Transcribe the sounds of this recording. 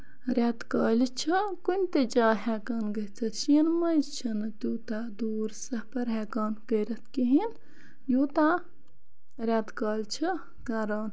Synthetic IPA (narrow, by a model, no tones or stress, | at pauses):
ɾʲat̪kaːlʲit͡ʃʰikunʲt̪ed͡ʒaːɦɛːkaːnɡɐt͡sʰɐt͡ʃʰinmɐjzt͡ʃʰɐnt̪ʲuːt̪aːd̪uːɾsɐhpɐɾɦɛːkaːnkɐɾɐt̪ʰkiɦin | juːt̪aː | ɾʲaːt̪kaːlʲt͡ʃʰi | kaːɾaːn